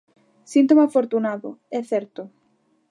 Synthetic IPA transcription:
sint̪omafoɾt̪unaðʊ̰ɛθɛɾt̪ʊ

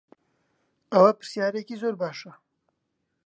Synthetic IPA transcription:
awapə̥sjɑːɾekizoːɾbaːʂa

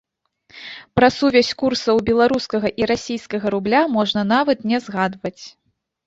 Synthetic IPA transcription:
pɾɐsuvʲɛsʲkursɐwbʲɛlˠaɾuskɐɣɐʔiɾasʲijskɐɣɐɾublʲamɔʐnɐn̪avɐt̪nʲɛzɣad̪vɐt͡sʲ

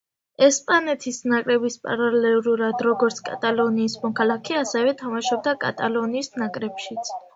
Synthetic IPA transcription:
ɛspʼanɛt̪ʰisnakʼɾɛbispʼa̰ɾalɛɾuɾad̪ɾɔɡɔɾt̪sʰkʼa̰t̪ʼalˠɔniːsmɔkʰalˠakʰɛasɛvɛt̪ʰamaʃɔb̚d̪akʼa̰t̪ʼalˠɔniːsnakʼɾɛpʃit̪sʰ

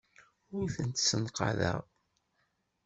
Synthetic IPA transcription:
ʊɾθənt̪sənqɑ̰ðə̰ʁ

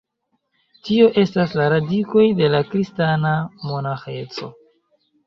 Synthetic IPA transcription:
tio̞ʔe̞staslaɾadiko̞jde̞lakɾistanamo̞naxe̞t͡so̞̰

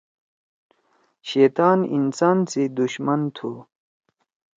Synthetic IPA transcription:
ɕeːt̪aːnḭnsaːnsid̪uɕmɐnt̪ʰu

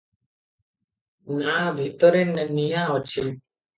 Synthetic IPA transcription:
naabʱit̪ɔɾɛnɛnijaɔt͡ʃʰi

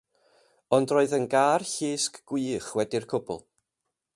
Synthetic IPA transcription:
ɔndroːɨðənɡaːrɬiːskɡ̥wɨːχwɛdirkʰʊbʊ̰lˠ

